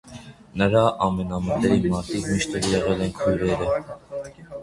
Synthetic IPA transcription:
nəɾɑʔɑmɛnɑmət̪ɛɾimɑɾt̪ʰikmiʃt̪ɛɾjɛʁɛlɛnkʰujɾɛɾə

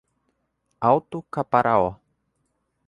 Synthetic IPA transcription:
awt̪ukapaɾʔaɔ

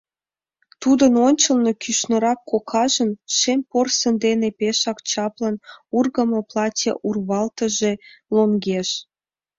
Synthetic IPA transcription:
t̪ud̪ənonʲt͡ɕəlnokyʃnə̆ɾɑkːokʰɑʒənʃemporsənd̪enepeʃɑkt͡ɕɑplənurɣəməplɑtʲḛʔurβɑlt̪əʒeloŋɡeʃ

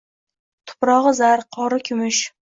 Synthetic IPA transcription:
t̪ʰʊ̥pɾɒʁɨzaɾqʰɒɾɪkʲʰʊmʊʃ

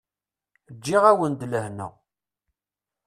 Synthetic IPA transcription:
d͡ʒːiʁæwənd̪ləhnæ̰

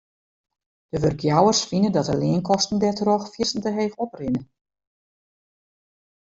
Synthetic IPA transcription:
d̥əʋørɡjawərsfinədɔtəlɪənkɔstn̩dɛtrɔxfjirsn̩təɦeːfɔprɪnə

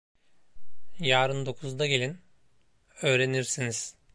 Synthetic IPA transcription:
jaːɾɯnd̪o̞kʰuzd̪aɟe̞lʲin | ø̞ːɾe̞niɾsiniz̥

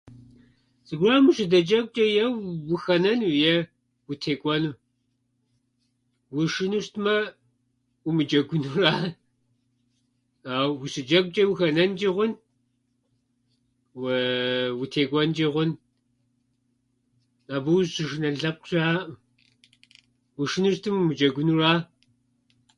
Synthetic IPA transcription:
zɨɡʷraːmuʃɨdɐt͡ʃʼɐkʷʼt͡ʃʼɐjɛwwʊxɐnɐnwjɛ | wutʰeːkʷʼɔnu | wʊʃɪnuʃtʰmɐ | umɨt͡ʃʼɐɡʷʊnuraː | aːwwusɨd͡ʒɐkʷʼt͡ʃʼɐwuxɐnɐnt͡ʃʼiʁʷʊn | w | wutʰeːkʷʼɔnt͡ʃʼiʁʷʊn | abɨwɕɨʃɨnɐɮɐp̚qɕʼaːm | wuʃɨnuʃtʰɨmmɨd͡ʒʼɐɡʷʊnuraː

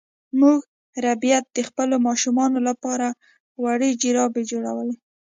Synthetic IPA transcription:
muɡ | ɾabijat̪̚d̪əxpəlomɑʃumɑnolapɑɾa | waɽəd͡ʒiɾɑbed͡ʒoɽa̰wəle

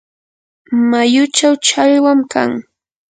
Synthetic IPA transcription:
majʊt͡ʃawt͡ʃajwamka̰ŋ

